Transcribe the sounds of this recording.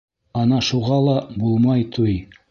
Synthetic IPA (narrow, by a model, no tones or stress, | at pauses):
ɑnɑʃuʁɑlˠɑbulˠmɑjt̪ʰuj